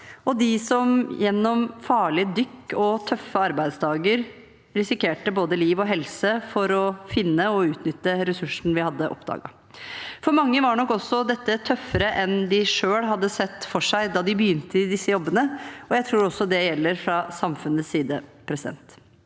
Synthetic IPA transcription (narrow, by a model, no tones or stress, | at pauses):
ɔd̪ɪsɔmjɛnːɔmfɑːɭɪəd̪ʏkːɔt̪ʰœfəɑɾbæɪd̪sd̪ɑːɡəɾ | ɾɪsɪkʰeːʈəboːd̪əliːʋɔɦɛlsəfɔɾɔfɪnːəɔʉːt̪nʏt̪ːəɾɛsʉʂɳ̩ʋɪhɑd̪ːəʔɔ̰pd̪ɑ̰ːɡɑ̰ | fɔɾmɑŋːəʋɑɳɔkːɔsːɔd̪ɛt̪ːət̪ʰœfəɾəʔɛnd̪ɪʂøːɽɦɑd̪ːəsɛt̪ːfɔʂæɪd̪ɑːd̪ɪbjʏnt̪əɪd̪ɪsːəjɔbːənəɔjæɪt̪ʰɾuːɾɔsːɔd̪ɛjɛlːəɾfɾɑsɑmfʉnəssiːd̪əpʰɾɛsɪd̪ɛ̰nt̪